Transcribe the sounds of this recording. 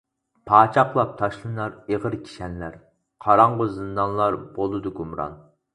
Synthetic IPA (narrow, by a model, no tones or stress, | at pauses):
pʰɑːt͡ʃʰɑqlˠɑp̚t̪ʰɑʃlˠɨnɑɾeʁəɾkʲʰi̥ʃɛnlæɾ | qʰɑɾɑɴʁʊzɨnd̪ɑnlˠɑɾb̥olˠɨd̪uɡumɾɑ̰n